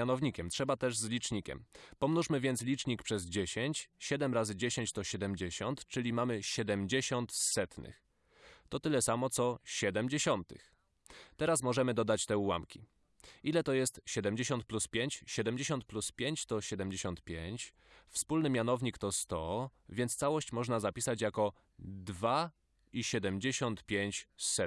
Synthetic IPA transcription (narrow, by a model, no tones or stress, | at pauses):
anɔvɲikʲɛmtʂɛbat̪ɛʐzlʲit͡ʂɲikʲɛ̰mpɔmnuʂmɘvʲjɛnt̪slʲit͡ʂɲikpʂɛzd͡ʑeɕeɲt͡ɕɕɛd̪ɛmɾazɘd͡ʑeɕeɲt͡ɕt̪ɔɕɛd̪ɛmʲd͡ʑeɕɔnt̪t͡ʂɘlʲimamɘɕɛd̪ɛmʲd͡ʑeɕɔnt̪sɛt̪nɘ̰x | t̪ɔt̪ɘlɛsamɔt̪sɔɕɛd̪ɛmd͡ʑeɕɔnt̪ɘ̰x | t̪ɛɾasmɔʐɛmɘd̪ɔd̪at͡ɕt̪ɛuwa̰mkʲi | ilɛt̪ɔjɛst̪ɕɛd̪ɛmd͡ʑeɕɔnt̪̚pluspʲjeɲt͡ɕɕɛd̪ɛmʲd͡ʑeɕɔnt̪̚pluspʲjeɲt͡ɕt̪ɔɕɛd̪ɛmʲd͡ʑeɕɔnt̪pʲjeɲt͡ɕ | fspulnɘmʲjanɔvɲikt̪ɔst̪ɔ | vʲjɛnt̪st̪sawɔɕt͡ɕmɔʐnazapʲisat͡ɕjakɔ | d̪va | iɕɛd̪ɛmd͡ʑeɕɔnt̪pʲjeɲt͡ɕsɛ